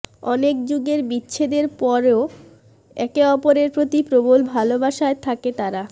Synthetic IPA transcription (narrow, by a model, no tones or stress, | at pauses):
ɔnekd͡ʑuɡeɾbitːɕʰed̪eɾpɔɾeo | ɛkeɔpoɾeɾpɾot̪ipɾobolbʱalobaʃaet̪ʰaket̪aɾa